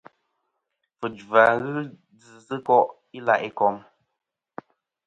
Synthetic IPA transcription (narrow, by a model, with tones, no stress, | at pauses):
fɨ˨d͡ʒva˨ɣɨ˦ | d͡zɨ˨zɨ˦kɔ˦ʔ | i˦la̰˦˨ʔi˦kɔ˦m